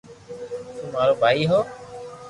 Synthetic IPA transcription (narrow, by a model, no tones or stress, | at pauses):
t̪ũːmaːɾoːbʱaːiːɦoː